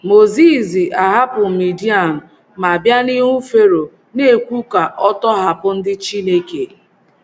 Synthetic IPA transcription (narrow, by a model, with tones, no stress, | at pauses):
mo˨zi˦˨zi˨ʔa˨ɦa˦pʊ˨mi˨di˦a˨nʊ˨ | ma˨bja˦ni˦ŋʷu˦fe˦ɾo˨ | ne˦˨kʷu˦ka˨ʔɔ˦tɔ˦ɦa˨pʊ˦n̩˦dɪ˦t͡ʃi˦ne˦ke˨